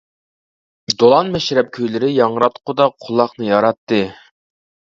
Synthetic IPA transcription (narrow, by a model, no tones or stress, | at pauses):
d̪olˠɑnmɛʃɾɛp̚kʲʰøjlɪɾɪjɑɴɾɑt̪qʰʊd̪ɑqʰːʊlˠːɑχnɨjɑɾɑt̪ːɨ